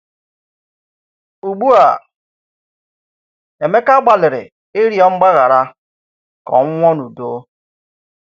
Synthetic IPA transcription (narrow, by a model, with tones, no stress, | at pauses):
u˨ɡ͡bu˦a̰˨ | e˨me˦ka˦ɡ͡ba˨lɪ˨ɾɪ̰˨ | e˦ɾi˦ɔ˦ŋ͡m̩˦ɡ͡ba˦ɣa˨ɾa˦ | kɔ̰˨ŋ̩˦ŋʷɔ˦nu˨do˦